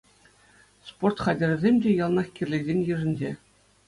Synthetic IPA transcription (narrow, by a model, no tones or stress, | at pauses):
sport̪χɑdʲɘ̆rʲzʲemʲdʲejɑlˠnɑxkʲirʲlʲezʲenʲjɯ̆ʐɘ̆nʲd͡ʑe